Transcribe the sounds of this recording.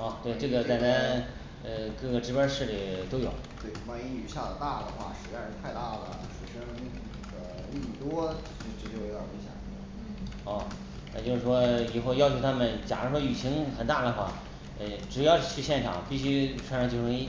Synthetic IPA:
ɔ˥˧˩t̪we˥˩ɪʈ͡ʂɤ˥˩ɡə˩t͡sa˥˩ɪna˧˥ | ə˧kɤ˥˩ɡə˩ʈ͡ʂɻ̩˥pə˥ʂɻ̩˥˩li˨˩t̪o˥ʊjo˨˩˦ʊt̪we˥˩˧wa˥˩i˥y˧˥ɕja˥˩d̪ə˩t̪a˥˩d̪ə˩xwa̰˥˩ʂɻ̩˧˥ɛ˥˧n̩˧˥t̪ʰa˥˧ɪt̪a˥˩lə̰˩ʂo˧˩ɕɛ˥ə˧ni˥˩˧n˥˩ɡə˩ | li˥˩˥t̪wɔ˥t͡ɕi˥ʂɻ̩˧˥ʈ͡ʂə˥˧˩t͡ɕo˥˩ʊjo˧˥ja̰˨˩i˧˥ɕjɑ̰˨˩˥ | ɔ˥˩ | nna˥˧t͡ɕo˥˧ʂɻ̩˥˩ʂwɔ˥i˨˩xo˥˧ʊjɑ˥˧ʊt͡ɕʰjt̪ʰa˥mə˨nt͡ɕja˨˩ŋɻə˧˥ʂwɔ˥y˨˩ɕʰi˧˥ŋxə˨˩nt̪a˥˩d̪ə˩xwa˥˩ | ə˧˩ʈ͡ʂɻ̩˨˩jɑ˥˩˧ʊ˧˥t͡ɕʰy˥˧ɕjɛ˥˩nʈ͡ʂʰɑ̰˨˩˦ŋpi˥˩ɕy˥ʈ͡ʂʰwa˥ʂɻɑ˥˧ŋt͡ɕʰjʈ͡ʂʰɤ˧˥ŋi˥

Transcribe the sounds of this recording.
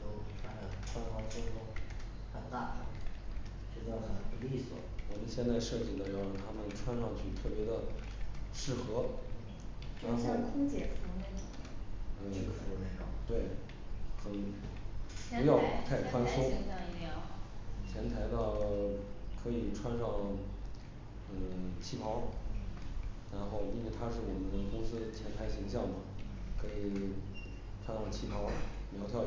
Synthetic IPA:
t̪o˥ʊʈ͡ʂʰwa˥nə˨˧˩ʈ͡ʂʰwa˥nxwɑ˧˥t͡so˥kʊ˥ | a˥˩nt̪a˥˩ʈ͡ʂo˧˥˦ | ʂ̩˥˩t͡ɕjɑ˥˩ʊa˨˩˨pu˧˥li˥˩swɔ̰˨˩˦wɔ˨˩mə˦nɕjɛ˥˧nt͡sa˥˧ɪʂɤ˥˩t͡ɕi˥˩d̪ə˩jɑ˧˥ʊjo˨˩t̪ʰa˥mə˨nʈ͡ʂʰwa˥nʂɑ˥˧ŋt͡ɕʰy˥˩t̪ʰɤ˥˩pjɛ˧˥d̪ə˧ | ʂɻ̩˥˩xɤ˧˥ | na˧˥n˥˩kʰʊ˥ŋt͡ɕjɛ̰˨˩fʊ˥ŋɛ˥˨˩n̩˥˩˥kt̪we˥˩ɪ | xə˨˩n | pu˧˥jɑ˥˧ʊt̪ʰa˥˩ɪkʰwa˥nsu˥˧ | t͡ɕʰjɛ˧˥nt̪ʰa˧˥ɪt̪ɑ˥˧˩ | kʰɤ˧˥i˨˩ʈ͡ʂʰwa˥˧nʂɑ˥˩ŋ | ə˧˩t͡ɕʰi˥˩pʰɑ˧˥ʊ | ɻa˧˥nxo˥˧ʊi˥nwɛ˥˩ɪt̪ʰa˥ʂɻ̩˥˩wɔ˨˩mə˦nd̪ə˧kʊ˥ŋsɹ̩˥t͡ɕʰjɛ˧˥nt̪ʰa˧˥ɪɕi˧˥ŋɕ̬jɑ˥˩ŋmɐ˩kʰɤ˧˥i˨˩ | ʈ͡ʂʰwa˥nwa˥˩t͡ɕʰi˥pʰɑ˧˥ʊljɑ˧˥t̪ʰjɑ˥˩ʊ

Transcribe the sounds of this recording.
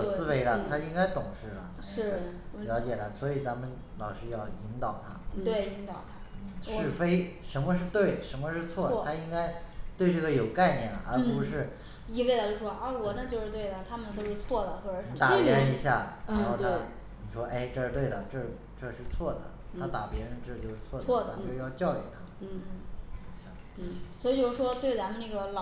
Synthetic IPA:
ssɹ̩˥we˧˥ɪlə˧t̪ʰa˥i˥ŋka˥ɪt̪ʊ˨˩ŋʂɻ̩˥˩lə̰˩ | ʂɻ̩˥˩˥ljɑ˧˥ʊt͡ɕjɛ˨˩la˥swɔ˧˥i˨˩t͡sa˧˥mə˨n | lɑ˨˩ʊʂɻy˧˥jɑ˥˩ʊi˧˥ŋt̪ɑ˨˩ʊt̪ʰa̰˥t̪we˥˩ɪi˧˥ŋt̪ɑ˨˩ʊt̪ʰa˥n̩˥˩ʂɻ̩˥˩fe˥ɪʂə˧˥nmə˧ʂɻ̩˥˧t̪we˥˩ɪʂə˧˥nmə˧ʂɻ̩˥˧t͡sʰwɔ˥˩dt̪ʰa˥i˥ŋka˥ɪt̪we˧ɪʈ͡ʂɤ˥˩ɡə˩jo˨˩ʊka˥˧ɪnjɛ˥˩nlə̰˩ʔə̰˞˧˥pu˧˥ʂɻ̩˥˩ | i˥˧wla˧˥˩t͡ɕjo˥˧ʊʂwɔ˥ʔwɔ˨˩na˥˧t͡ɕjo˥˧ʊʂɻ̩˥˧t̪we˥˩ɪd̪ə˩t̪ʰa˥mə˨nt̪o˥ʊʂɻ̩˥˧t͡sʰwɔ˥˩d̪ə˩xwɔ˥˩˧t̪a˨˩pjɛ˧˥ɻə˧˥ni˧˥ɕja̰˥˩ɻaa˥˧˥n˥xo˥˩ʊa˥ | ni˨˩ʂwɔ˥ʔe˥˩ɪʈ͡ʂɤ˥˧ʂɻ̩˥t̪we˥˩ɪə˩ʈ͡ʂɤ˥˩ʂ | ʈ͡ʂɤ˥˧ʂɻ̩˥˧t͡sʰwɔ˥˩d̪ə̰˩t̪ʰa˥t̪a˨˩pjɛ˧˥ɻə˧˥nʈ͡ʂ̩˥˧t͡ɕjo˥˧ʊʂɻ̩˥˧˩t͡sʰwɔ˥˩˨ɔ˥˩t̪ʰa˥o˥˧˥jɑ˥˧ʊt͡ɕjɑ˥˩ʊy̰˨˩t̪ʰa˥˩˥o˧˥˩ɕjɑ˨˩˦ŋt͡ɕɻ̩˥˩swɔ˧˥i˨˧˩t͡ɕjo˥˧ʊʂɻ̩˥˩ʂwɔ˥t̪we˥˩ɪt͡sa˧˥nmə˨˧na˥˩ɡə˩lɑ˨

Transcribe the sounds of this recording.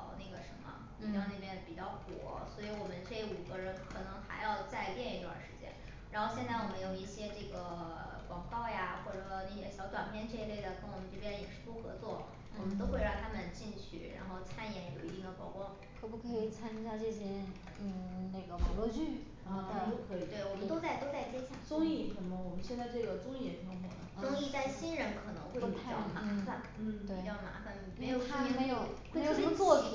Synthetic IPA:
ʊna˥˩ɡə˩ʂə̰˧˥nmə̰˧˩ | ɑ˥ŋne˥˩mjɛ˥˩n˩pi˨˩t͡ɕjɑ˥˩ʊkwɔ̰˨˩˥swɔ˧˥i˧˥wɔ˨˩mə˦nʈ͡ʂe˥˩ɪu˨˩ɡə˦ɻə˧˥nkʰɤ˨˩nɤ˧˥ŋxa̰˧˥ɪjɑ˥˧ʊt͡sa˥˧ɪt̪jɛ˥˧ni˥˩t̪wa̰˥˩nʂɻ̩˧˥t͡ɕjɛ̰˥n | ɻa˧˥nxo˥˧ʊɕjɛ˥˧nt͡sa˥˩ɪwɔ˨˩mə˦njo˨˩ʊi˥˩ɕjɛ˥ʈ͡ʂɤ˥˩ɡə˩kwɑ˨˩ŋkɑ˥˩ʊja˩xwɔ˥˩ʈ͡ʂɤ˨˩˥n˥˩jɛ˧˥ɕjɑ˧˥ʊt̪wa̰˨˩npʰjɛ˥˧nʈ͡ʂɤ˥˧i˥le˥˩ɪd̪ə˩kə˥nwɔ˨˩mə˦nʈ͡ʂpjɛ˥˩njɛ˨˩ʂɻ̩˥˧pu˥˩xɤ̰˧˥t͡swɔ˥˩ | wɔ˨˩mə˦nt̪o˥ʊxwe˥˧ɪɻɑ˥˩ŋt̪ʰa˥mə˨nt͡ɕi˥˧nt͡ɕʰy̰˥˩ɻaa̰˧˥nxo˥˧ʊt͡sʰa˥njɛ˧˥njo˨˩ʊi˧˥t̪i˥˩ŋd̪ə˩pɑ˥ʊkwɔ˥˩ | kʰɤ˧˥pu˥˩kʰɤ˧˥i˨˩t͡sʰa˥ni˥˧˩ɕja˥˧ʈ͡ʂə˥˩ɕ̬jɛ˥ | n̩˥˩na˥˩ɪɡə˩wɑ̰˨˩ʊlwɔ˥˧t͡ɕy˥˩˧ | a˥˩t͡ɕo˥˩ʊkʰɤ˧˥i˨˩t̪we˥˩ɪwɔ˨˩mə˦˥t̪o˥ʊt͡sa˥˧ɪt̪o˥ʊt͡sa˥˩ɪt͡ɕjɛ˥ɕja˥˩t͡sʊ˥ŋi˥˩˨ə˧˩mo˧˩wɔ˨˩mə˦nɕjɛ˥˧nt͡sa˥˧ɪʈ͡ʂɤ˥˩ɡə˩t͡sʊ˥ŋi˥˩jɛ˨˩ʂ̩˥˩o˧˥˩mo̰˨˧˩d̪ə̰˧˦ʔt͡sʊ˥ŋi˥˧t͡sa˥˩ɪɕi˥nɻə˧˥nkʰɤ˨˩nɤ̰˧˥ŋxwe˥˧˩t͡ɕɑ˥˩˨ma˧˥˩fa˥˩nn̩˥˩t̪we˥˨˩ɪt͡ɕjɑ˥˩ʊma̰˧˥fa˥˩n˩me˧˥jo˨ʊʂme˧˥ɪjo˨˩ʊxwe˥˩˧ʂmə˥t͡swɔ˥˩də˨˩

